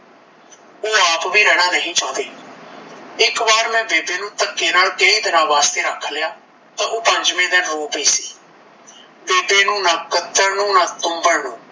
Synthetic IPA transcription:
oːaːpʋiːɾɛːɽãːnəɦĩːt͡ʃãːd̪eː | ɪkbaːɾmɛ̃ːbeːbeːnũːt̪əkːeːnaːlkeiːd̪ɪnãːʋaːst̪eːɾəkʰːlɪjaː | t̪ãːʔoːpəɲd͡ʒmẽːd̪ɛ̃nɾoːpiːsiː | beːbeːnũːnaːkət̪ːəɾnũːnãːt̪ʊ̃mbəɽnõː

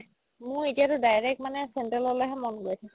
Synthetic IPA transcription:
mʊ̃etijaɾʊdajɹɛk̚tmanɛsentalɔlojɦɛmɔnɡojtʰak

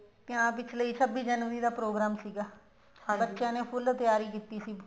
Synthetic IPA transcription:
p̪jãːpɪt͡ʃʰləiːsəbiːd͡ʒənʋziːd̪aːpɾoːɡɾaːmsiːɡaː | bətːʃjãːneːpʰʊlt̪ɪjaːɾiːkiːt̪iːsiː

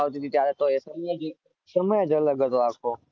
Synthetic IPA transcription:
ɦot̪iːt̪iːt̪jaːɾet̪oːesəməjd͡ʒiː | səməjd͡ʒələɡət̪oaːkʰoː

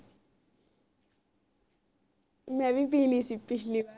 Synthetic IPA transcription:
mɛbipiːlisipːiʃli

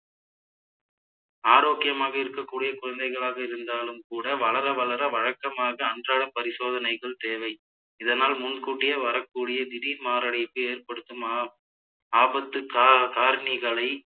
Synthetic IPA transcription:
aːɾoːkɪjɐmaːɣɐɪɾɯkːɐkːuːɽɪjɐkʊɻɐnd̪ɐɪɣɐɭaːɣɐɪɾɯnd̪aːlɯmkuːɽɐʋɐɭɐɾɐʋɐɭɐɾɐʋɐɻɐkːɐmaːɣɐːndraːɽɐpːɐɾɪsoːðɐnɐɪɣɐɭt̪eːʋɐɪ | ɪðɐnaːlmʊnkuːʈːɪjɐʋɐɾɐkːuːɽɪjɐd̪ɪðimaːɾɐɽɪpːɯeːrpɐɽɯt̪ːɯmː | aːbɐt̪ːɯkːkaːɾɳɪɣɐɭɐɪ

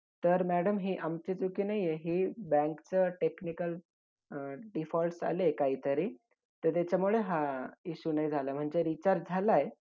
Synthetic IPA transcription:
t̪əɾmæɽəmɦiːʔamt͡ɕet͡sukiːnaɦijeɦiːbæ̃ŋkt͡səʈeknikəl | ɖifɔlsa̰lekaɦiːt̪əɾiː | t̪əɾt̪jat͡ɕamuɭeɦaiɕunajd͡zʱalam̤əɳd͡zeɾit͡ɕaɾd͡zʱalaj

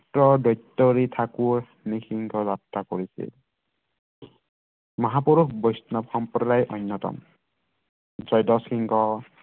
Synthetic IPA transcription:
tɹɔdɔjtːɔɹitʰakuɹ | nixiŋɡɔzat̪ːakoɹisḭl | mɔɦapuɾuxbɔjsnɔbxɔmpɾɔdajʔɔ̰jnːɔtɔ̰m | zɔjdɔsxiŋɡɔ

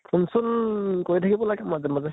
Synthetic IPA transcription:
pʰunsɔnkojtʰakibɔlaɡɛmazɛmazɛ

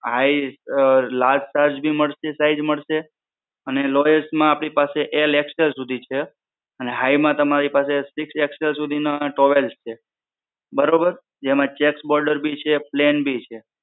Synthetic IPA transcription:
ɦai | lad͡ʒsaɾd͡ʒbʱiməɭʃesaid͡ʒməɭʃe | ənelɔjəsmãapɽ̃ipaseʔelekselsud̪ʱit͡ʃʰe | əneɦajmãt̪əmaɾipasesɪksekselsud̪ʱinaʈɔʋelst͡ʃʰe | bəɾobəɾ | d͡ʒemãt͡ʃeksbɔɾɖəɾbʱit͡ʃʰeplenbʱit͡ʃʰe

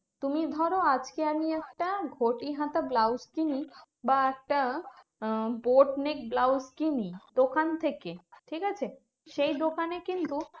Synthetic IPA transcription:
t̪umid̪ʱɔɾoad͡ʑkeamiɛk̚ʈaɡʱoʈiɦãt̪ablawskini | baɛk̚ʈa | boʈnek̚blawskinid̪okant̪ʰekeʈʰikat͡ɕʰe | ʃejd̪okanekint̪u

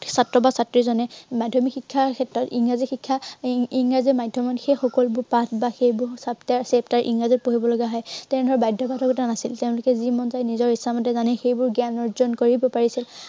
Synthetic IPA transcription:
satɹɔbasatɹizɔnɛmadʱːɔmikxikʰːakʰɛtɹɔtiŋɹazixikʰːaiŋazɛmajdʱɔmɔnxejxɔkɔlbʊɹpatʰbaxejbʊɹsaptaɹseptaɹʔḭŋɹazɔpuɦibɔlɔɡaɦɔjtɛʊ̃dʱɔɹɛbajdʱɔbadʱɔkɡɔtanasilteʊ̃lʊkɛzimɔnzajnizɔɹhisːamɔtɛzanɛxejbʊɹɡanɔɹzɔnkoɹibɔpaɹisil

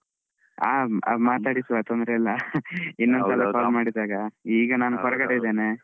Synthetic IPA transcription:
a̰ːmaːt̪aːɽisʋat̪ond̪ɾɐilːɐinːond̪sɐlɐpaːɾmːaːɽid̪aːɡɐiːɡɐnaːnukɔɾɐɡɐɽeid̪eːne

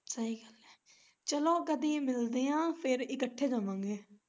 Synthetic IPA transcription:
səɦiːɡəlɛː | t͡ʃəlõːkəd̪iːmɪld̪eːãːpʰɪɾɪkəʈʰːeːd͡ʒãːʋãːŋɡeː

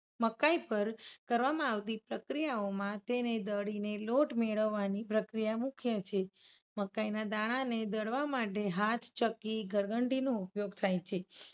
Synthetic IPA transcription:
məkaipəɾkəɾʋamãaʋt̪ipɾəkɾijaomãt̪ened̪əɽineloʈmeɭəʋːanipɾəkɾijamũkʰjat͡ʃʰe | məkainad̪aɽ̃aned̪əɽʋamaʈeɦat̪ʰt͡ʃəkiɡʱəɾɡəɳɖinoupjoɡ̚t̪ʰajt͡ʃʰe

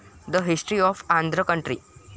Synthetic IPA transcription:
d̪əɦɪsʈɾiɔːfãnd̪ɾəkʌ̃ɳʈɾi

